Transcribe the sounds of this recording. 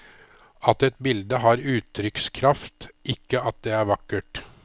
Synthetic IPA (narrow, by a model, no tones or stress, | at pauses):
ɑt̪ɛt̪̚bɪld̪əɦɑːɾʉːt̪ʰːɾʏkskʰɾɑft̪ʔɪkːəɑt̪̚d̪eːæːɾʋɑkːəʈ